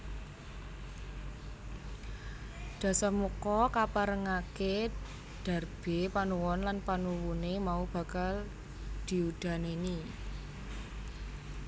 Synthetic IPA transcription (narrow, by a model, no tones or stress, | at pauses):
d̪̥ä̤samukɔkapaɾəŋake | ɖ̪̥a̤rb̥e̤panuwɔnlanpanuwunemaub̥a̤kal | d̪̥i̤ud̪̥a̤neni